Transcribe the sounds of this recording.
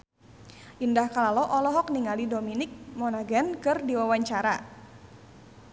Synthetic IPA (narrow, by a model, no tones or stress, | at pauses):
ʔindahkalalɔʔɔlɔɦɔk̚niŋalidominɪk̚mɔnaɡankɨrdiwawaɲt͡ʃaɾa